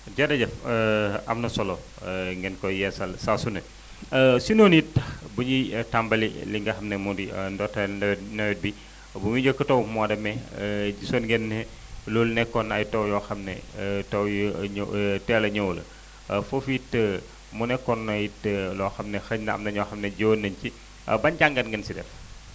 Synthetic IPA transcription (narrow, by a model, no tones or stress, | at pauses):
ɟɐdɐɟɐfəɐ̰mnɐsɔlɔ | ŋɡɛnkɔjɛsɐlsasunɐ | sinonjit̚ːɐbuɲitambɐliliŋɡɐxɐmnɛmudindɔtɐnɛwɛnɛwɛt̚bi | bumuɲəkːətowmwadɐmɛd͡ʒisonŋɡɛnːɛ | lulnɛkːɔnɐ̰jtɐwjɔxɐmnɛ̰tɐwj | tɛlɐɲowlɐ̰ | fofitːə | munɛkːɔnːɐjtəlɔːxɐmnɛxɐɲnɐɐ̰mnɐɲɔxɐmnɛɟoːnːɐɲci | bɐɲɟaŋɡɐnɡɐnsidɛ̰f